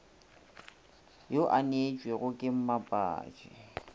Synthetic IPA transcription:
joʔanet͡ʃʼweɣʊkʼɪm̩mapʼa̰ːt͡ʃʼɪ̰

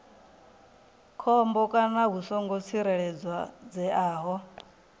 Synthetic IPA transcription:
kʰɔmbɔkʼanaɦusɔŋɡɔt͡sʰiɾɛɺɛd͡zwad͡zɛʔaːɦɔ

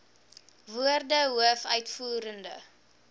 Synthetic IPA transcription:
vuərdəɦuəfœɥtfuːɾəndə̰

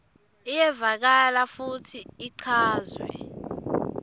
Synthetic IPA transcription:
ijɛvak̬alafutʰiːǀʰaːzwɛ̰

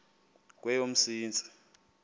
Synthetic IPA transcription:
k̬ʼwɛjom̩siːnt͡sʼi̥

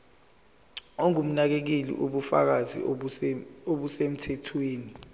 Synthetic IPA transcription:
oŋum̩nak̬ek̬ilḭʔuɓufa̰k̬azḭ | oɓusem̩tʰɛtʰweːni

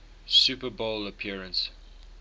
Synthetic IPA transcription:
sʉpəboləpʰiəɹə̃ns

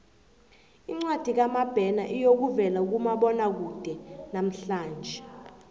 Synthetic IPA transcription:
iŋ͡ǀwad̥ʱik̬amab̥ʱɛnaʔijok̬uvɛlauk̬umaɓɔnak̬ud̥ʱɛnam̩ɬaːnd͡ʒʱɛ

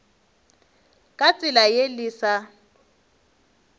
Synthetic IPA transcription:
kʼat͡sʼɪlajeliːsa

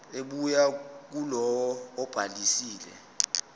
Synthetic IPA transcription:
eɓujak̬ulɔwɔːb̥ʱalisiːlɛ̰

